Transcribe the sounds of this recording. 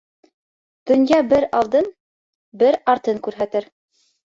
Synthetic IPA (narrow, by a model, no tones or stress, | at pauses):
d̪̥ɵ̆njɑbɘɾɑlˠd̪ɤn | bɘɾɑɾt̪ɤŋkʉɾɦæt̪ɘɾ